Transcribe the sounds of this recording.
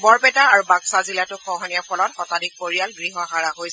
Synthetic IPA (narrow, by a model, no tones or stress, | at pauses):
bɔɹpɛtaaɹubaɡsazilatʊxʰɔɦɔnijapʰɔlɔtxɔtadik̚poɹialɡɹiɦɔɦaɹaɦojs